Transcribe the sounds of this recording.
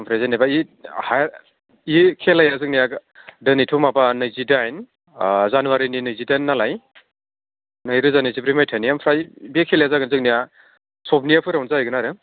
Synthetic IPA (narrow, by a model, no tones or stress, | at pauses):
mpʰɾezenebaiha | ikʰelajazɯk̚nijaɡdɯnitʰumabanɯjzidajn | zanuwaɾininɯjzidajnːalaj | nɯjɾɯzanɯzibɾimajtʰanijampʰɾajbekʰelajazaɡɯnzɯk̚nija | sɔp̚nijapʰɯɾawnzajɡɯnaɾɯ